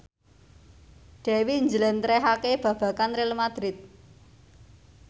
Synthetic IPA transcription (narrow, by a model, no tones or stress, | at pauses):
ɖ̥ɛ̤wiɲd͡ʒələnt̪ɾeɦakeb̥a̤b̥ä̤kanɾɪlmad̪̥ɾɪt̪̚